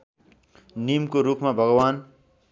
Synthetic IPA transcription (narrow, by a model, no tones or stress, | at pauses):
nimkoɾukʰmabʱʌɡwan